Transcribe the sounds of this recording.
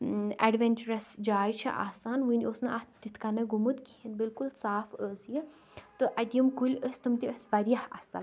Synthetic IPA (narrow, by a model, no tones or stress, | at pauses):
ɐɖʋenʲt͡ʃuɾɐsd͡ʒaːjt͡ʃʰɐ̰ʔa̰ːsaːnʋɨnʲosnɨʔɐht̪it̪ʰkɐnɐɡumut̪kiinbilkulsaːfəzji | t̪ɨʔɐd̪ʲjɐmkulʲəst̪umt̪ʲiəsʋɐɾijɐhɐ̰sɐ̰l